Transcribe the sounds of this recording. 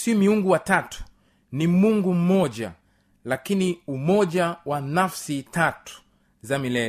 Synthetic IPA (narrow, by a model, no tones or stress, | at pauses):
simiuŋɡuwatatu̥ | nimuŋɡum̩mɔʄa̰ | lakiniumɔʄawanafsitatu̥ | zamilɛ